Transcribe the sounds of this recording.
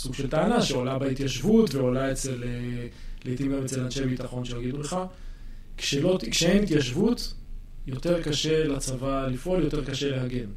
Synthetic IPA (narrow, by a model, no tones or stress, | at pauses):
suɡʃeltaanaʃeolabeit̪jaʃvutveolaet͡seleletimɡemet͡selanʃeabit̪aχo̞nʃeaɡiduleχa | kʃelo̞tkʃehenit̪jaʃvut | jo̞te̞ʁkaʃe̞lat͡savalifʔoaljo̞t̪e̞ʁkaʃe̞lehaɡen